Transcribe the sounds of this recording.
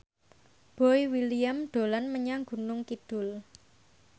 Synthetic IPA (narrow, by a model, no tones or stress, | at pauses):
b̥ɔiwiliamd̪̥o̤lanməɲaŋɡṳnʊŋkid̪̥ʊ̤l